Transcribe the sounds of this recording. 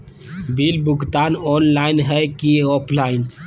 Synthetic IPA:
bilbukt̪anɔnlaɪnɦɛkiɔpʰlaɪn

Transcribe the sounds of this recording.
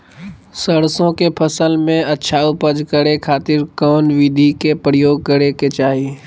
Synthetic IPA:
səɽsõkepʰəsəlmẽɐtːʃʰaupəd͡ʒkəɾekʰaːt̪ɪɾkɔːnʋɪd̪ʱikepɾjoːɡ̚kəɾeket͡ʃaːɦiː

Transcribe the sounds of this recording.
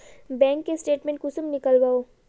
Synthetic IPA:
bɛ̃ːŋkːesʈeːʈmẽɳʈkʊsəmnɪkəlwaːoː

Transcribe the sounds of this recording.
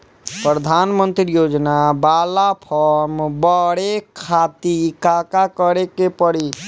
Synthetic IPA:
pɾəd̪ʱanmənt̪ɾijod͡ʒnabalapʰəɾmbəɽekʰat̪ikakakəɾekepəɽi

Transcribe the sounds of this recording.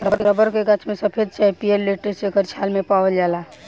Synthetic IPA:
ɾəɾɾəbəɾkeɡət͡ʃʰmesəpʰed̪̚t͡ʃaipielliʈɾesekəɾt͡ʃʰalmepawəld͡ʒala

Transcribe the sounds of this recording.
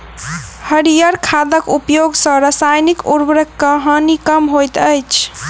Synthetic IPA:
həɾijəɾkʰad̪əkupjoɡsə̃ɾasajnikuɾbɾəkːəɦənikəmɦojt̪əjt͡ʃʰ

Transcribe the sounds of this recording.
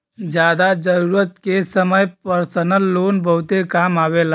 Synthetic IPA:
d͡ʒjaːd̪ad͡ʒəɾuːɾət̪kesəməjpəɾsənəlːoːnbʱəwt̪ekamaʋela

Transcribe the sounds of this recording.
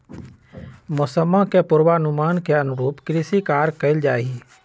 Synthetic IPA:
mʊsəmːãkepʊɾwanʊmaːnkeənʊɾuːpkɾɪsikaːɾkəɪld͡ʒaːi

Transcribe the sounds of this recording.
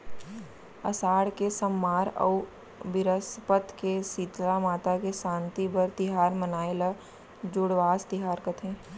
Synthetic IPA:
ɐ̰saːɽkesəmːaːɾə̰u | bɪɾəspət̪kesiːt̪lamaːt̪akeʃãːnt̪ibəɾt̪ɪɦaːɾmənaːela | d͡ʒʊɽʋaːst̪ɪɦaːɾkɐt̪ʰẽː

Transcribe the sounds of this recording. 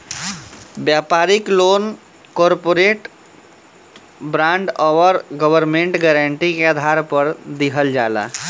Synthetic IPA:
bjapaɾiklon | kɔɾpoɾeʈ | bɾãɳɖɔʋəɾɡəbəɾmeɳʈɡɛɾəɳʈikeəd̪ʱaɾpəɾd̪iɦəld͡ʒala̰

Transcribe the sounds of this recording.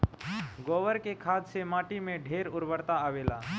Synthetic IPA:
ɡɔːʋəɾkekʰaːd̪semaːʈimẽɖʱeːɾʊɾbəɾt̪aaʋeːla̰ː

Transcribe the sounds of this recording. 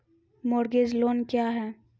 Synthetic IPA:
moːɾɡeːd͡ʒloːnkjaːɦɛː

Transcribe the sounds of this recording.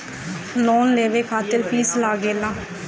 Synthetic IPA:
loːnleːʋeːkʰaːt̪əɾpʰiːslaːɡeːlaː

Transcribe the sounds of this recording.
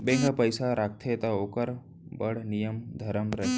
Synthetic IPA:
bẽːŋɡapəjsaɾaːk̚ʰt̪ʰet̪aoːkəɾ | bəɽ̤nijəmd̪ʱɐɾəmɾɐɦ

